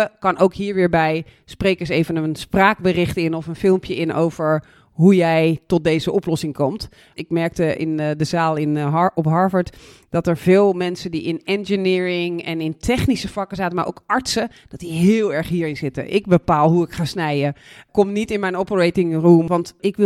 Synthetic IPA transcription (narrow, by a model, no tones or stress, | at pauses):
əkɑnowkɦiːɹʋɪːɹbɛj | sprejkəsejvənəənspraːɡ̚bərɪχtɪnɔfənfɪlˠmpjəʔɪnʔo̰wv̥əɹ | ɦujɛjtɔt̚dejzəʔɔplɔsɪŋkɔmt | ɪkmɛɹk̚təʔɪ̰ndəzaːlˠɪnɔpɦɑɹvəɹtd̥ɑtəɹv̥ɪːlˠmɛnsədiʔɪnɛnd͡ʒənɪːɹɪŋɛnɪntʰɛχnisəfɑkəzaːtənma̰ːɹʔo̰wkɑɹtsəd̥ɑt̚diɦɪːlˠɛɹχɦiːɹɪnzɪtə̰ʔɪk̚bəpaːlˠɦuɪkχaːsnɛjəkɔmnitɪnmɛjnɔpəɹejtɪŋrumʋɑntɪkʋɪ